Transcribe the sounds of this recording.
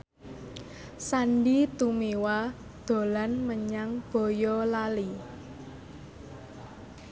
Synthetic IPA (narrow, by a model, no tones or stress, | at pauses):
sanɖit̪umewa | d̪̥o̤lanməɲaŋb̥ɔ̤jɔlali